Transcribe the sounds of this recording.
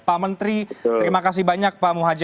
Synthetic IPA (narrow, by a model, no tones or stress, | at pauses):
pamənt̪ɾit̪ɾimakas̬ɪbaɲak̚pamuɦad͡ʒ